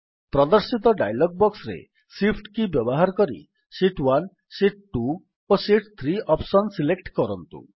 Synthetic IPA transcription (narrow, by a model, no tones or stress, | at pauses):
pɾɔd̪ɔɾsit̪ɔɖajlɔɡ̚bɔksɾḛ | sipʰʈkibjɔbɔɦaɾɔkɔɾḭ | siʈwan | siʈ̚ʈu | osiʈt̪ʰɾiʔɔpsɔnsilekʈkɔɾɔnt̪ṵ